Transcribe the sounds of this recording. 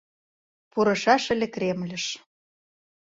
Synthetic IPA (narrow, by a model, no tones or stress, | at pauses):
puɾɤ̆ʃɑʃə̆lʲekɾemlʲə̆ʃ